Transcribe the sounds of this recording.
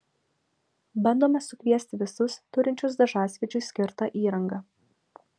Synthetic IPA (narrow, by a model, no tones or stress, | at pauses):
bɐnd̪oːmʲɛsʊkʲʋʲiɛsʲt̪ʲɪʋʲɪsʊst̪ʊɾʲɪnʲt͡ʃʲʊsd̪ɐʒɑːsʲʋʲiɛd͡ʒʲʊsʲkʲɪɾt̪ɑʔiːɾɐŋɡɐ